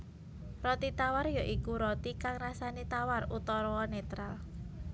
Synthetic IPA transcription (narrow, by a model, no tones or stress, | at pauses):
rɔt̪it̪awarjɔʔikuɾɔt̪ikaŋrasanet̪awarut̪ɔɾɔwɔnet̪ɾal